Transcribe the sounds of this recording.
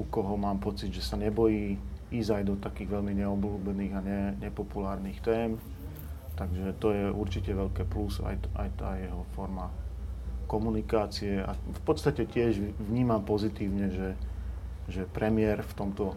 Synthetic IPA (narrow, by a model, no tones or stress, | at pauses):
ukɔɦɔmaːmpɔt͡sid̪ʒɛsaɲɛbɔjiːizajd̪ɔt̪akiːɣʋɛʎmiɲɛɔbluːbɛniːɣaɲɛɲɛpɔpulaːɾniːxt̪ɛːm | t̪aɡʒɛt̪ɔjɛʔuɾt͡ʃicɛʋɛʎkɛːplusa̰ja̰jt̪aːjɛɦɔfɔɾma | kɔmunikaːt͡siɛa̰fpɔt̪st̪acɛcɪɛʒʋɲiːmampɔzit̪iːʊɲɛʒɛ | ʒɛpɾɛmɪɛɾft̪ɔmt̪ɔ